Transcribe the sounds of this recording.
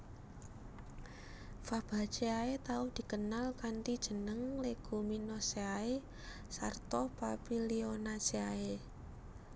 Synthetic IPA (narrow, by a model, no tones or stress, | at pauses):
fab̥a̤̥t͡ʃeaet̪aud̪̥i̤kənalkaɳʈid̥ʒ̥ə̤nəŋleɡ̥ṳminɔseae | sa̰rt̪ɔpapilionaseae